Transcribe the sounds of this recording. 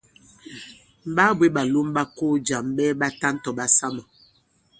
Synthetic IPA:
m̩˨ɓa˦bwe˦ɓa˨lu˦mɓa˦ko˦d͡ʒa˨mɓɛː˦ɓa˦ta˦n˦tɔ˨ɓa˦sa˦ma˨

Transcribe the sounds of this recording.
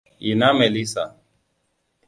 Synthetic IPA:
i˨na˦mɛ˨li˦sa̰˨

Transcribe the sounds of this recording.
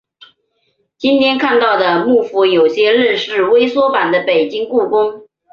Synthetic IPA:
t͡ɕi˥nt̪ʰjɛ˥nkʰa˥˧nt̪ɑ˥˩ʊd̪ə˩mu˥˩fu˧˥jo˨˩ʊɕjɛ˥lə˥˧ʂɻ̩˥˩we˥ɪswɔ˥pa˨˩nd̪ə˦pe˨˩ɪt͡ɕi˥ŋku˥˩kʊ˥ŋ

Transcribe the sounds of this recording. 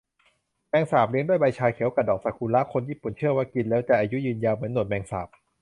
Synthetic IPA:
mɛː˧ŋsaː˨˩p̚li˧˦˥ŋdu˥˩əjba˧jt͡ɕʰaː˧jkʰi˨˩˦wka˨˩dɔː˨˩ŋ̚sa˨˩kʰuː˧nla˦˥kʰo˧njiː˥˩pu˨˩nt͡ɕʰɯ˥˩əwaː˥˩ki˧nlɛː˦˥wt͡ɕ̪ɛː˨˩ʔaː˧ju˦˥jɯː˧njaː˧mɯ˩˦ənːu˨˩t̪̚mɛː˧ŋsa̰ː˨˩p̚

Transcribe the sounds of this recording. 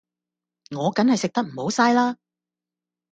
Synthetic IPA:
ŋɔː˨˧kɐ˨˥nhɐ˨jsɪ˨k̚t̪ɐ˥k̚m̩˨˩ho˨˥wsaː˥jlaː˥

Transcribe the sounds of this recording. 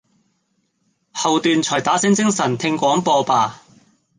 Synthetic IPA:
hɐ˨wt̪yː˨˧nt͡sʰɔː˨˩jt̪aː˨˥sɪ˥ŋt͡sɪ˥ŋsɐ˨˩nt̪ʰɪ˧ŋkʷɔː˨˥ŋpɔː˧paː˧

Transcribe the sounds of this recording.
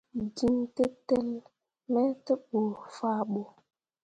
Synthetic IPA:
ɡi˦nte˦tɛ˦l | mɛ˦tə˦ɓo˨fa˦ɓo˨

